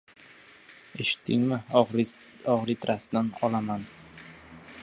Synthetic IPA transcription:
eʃɪ̥t̪ʰːɪŋmɪ | ɒʁɾit̪ʰɾasd̪anqʰɒlˠaman

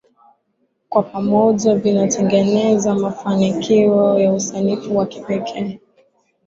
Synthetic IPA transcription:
kwapamɔʄavinatʰɛŋɡɛnɛzamafanikiɔjausanifuwaki̥pɛkʰɛː

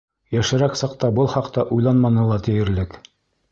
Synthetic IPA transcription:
jæʃɘ̆ɾæksɑq̚t̪ɑbɤlˠχɑqt̪ɑʔujlˠɑnmɑnɤ̆lˠɑt̪ʰɘ̆jɘ̆ɾlɘk

